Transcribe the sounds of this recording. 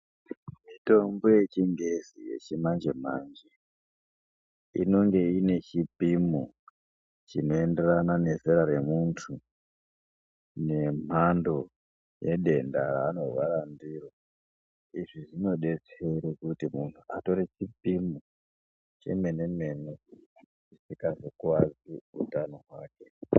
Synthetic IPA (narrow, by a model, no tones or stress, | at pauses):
mito̞mboje̞t͡ʃiŋɡezije̞̰t͡ʃimand͡ʒem̤and͡ʒe | ḭno̞ŋɡe̞ine̞t͡ʃipimu | t͡ʃino̞ende̞ranane̞zeɾaɾe̞muntʰu | ne̞m̤ando̞ | je̞ɗe̞nda̰ra̰ːno̞rʋaɾandiro | iʐiʐino̞ɗe̞t͡seɾekutimuntʰua̰to̞ɾit͡ʃipimu | t͡ʃḛme̞ne̞me̞ne | t͡ʃisikazokuwaziṵtanoɦwaːke̞